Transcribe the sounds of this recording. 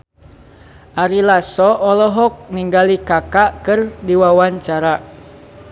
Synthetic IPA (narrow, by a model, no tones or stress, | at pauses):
ʔaɾilasɔʔɔlɔɦɔk̚niŋɡalikakaʔkɨrdiwawaɲt͡ʃaɾa